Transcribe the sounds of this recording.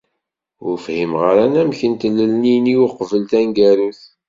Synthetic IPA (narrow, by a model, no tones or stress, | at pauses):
ʊɾfhimʁəɾænæmçənt̪lːəlniniwʊqvəlt̪ænɡæɾuθ